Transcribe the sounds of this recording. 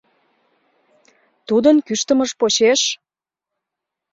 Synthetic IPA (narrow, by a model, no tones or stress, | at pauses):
t̪ud̪ənkyʃt̪əməʃpot͡ɕeʃ